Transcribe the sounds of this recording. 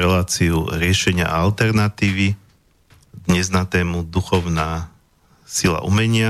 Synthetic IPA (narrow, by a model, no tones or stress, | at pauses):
ɾɛlaːt͡siuɾɪɛʃɛɲɪa̰ʔa̰alt̪ɛɾnat̪iːʋi | d̪ɲɛznat̪ɛːmud̪uxɔʊnaː | sila̰ʔumɛɲɪa